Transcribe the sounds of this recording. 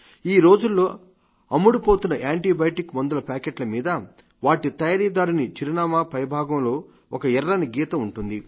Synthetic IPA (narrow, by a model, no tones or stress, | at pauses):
iːɾo̞ːd͡ʒulːo̞ː | ɐmːuɽupoːt̪unːɐʔaːɳʈiːbɐjʈikmond̪ɐlɐpaːkeːʈlɐmiːd̪ɐ | ʋaːʈit̪ɐjaːɾiːd̪aːɾunit͡ʃiɾinaːmaːpɐjɐbʱaːɡɐmlo̞ː | ɔkɐɛrːɐniɡiːt̪ɐmuɳʈund̪i